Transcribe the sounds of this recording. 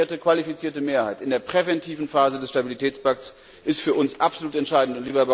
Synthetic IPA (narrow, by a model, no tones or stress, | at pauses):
ɐtəkv̥alifit͡siːɐtəmeːɐhaɪtɪndeːɐpʁ̥ɛvɛntʰiːvn̩faːzədɛsʃtabilitʰɛːt͡spak̚ts | ʔɪstfyːɐʔʊnsʔapz̥oluːtɛntʃaɪdn̩tʊntliːbɐba